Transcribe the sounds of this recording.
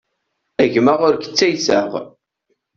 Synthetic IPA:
æʝməʁʊɾkə̥t͡sːæjsəʁ

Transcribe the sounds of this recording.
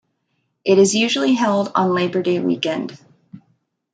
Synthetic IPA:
ʔɨɾɨzjʉʒl̩ˠiɦɛlˠdn̩leɪbə˞deɪwḭkɛ̃nd̥

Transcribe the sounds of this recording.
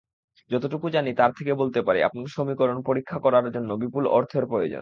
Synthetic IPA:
d͡ʑɔt̪oʈukud͡ʑanit̪aɾt̪ʰekebolt̪epaɾḭa̰pniɾʃomikoɾonpoɾikʰːakɔɾaɾd͡ʑonːobipulɔɾt̪ʰeɾpɾojod͡ʑo̰n

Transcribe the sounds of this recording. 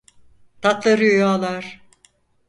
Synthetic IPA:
t̪ʰat̪lˠaɾɯjojaːlˠaɾ̥

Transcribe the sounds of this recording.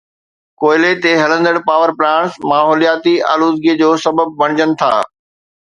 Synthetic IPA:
koːɪlet̪eɦɐlə̃nd̪əɽpaːʋəɾplãːɳ̃smaːɦoːlijaːt̪ia̰ːluːd̪ɡiəd͡ʑoːsɐbəb̚bɐɽ̃ɪd͡ʑənɪ̆t̪ʰa̰ː

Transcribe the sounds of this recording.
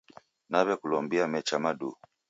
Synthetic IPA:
naβɛkulɔmbiamɛt͡ʃamadu

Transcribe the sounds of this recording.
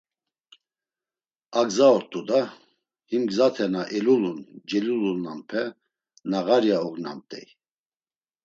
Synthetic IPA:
aɡzaɔɾt̪ʼud̪a | himɡzat̪ʰɛnaʔɛlulund͡ʒɛlulunːampʰɛ | naɣaɾjaɔɡna̰mt̪ʼɛ̰j

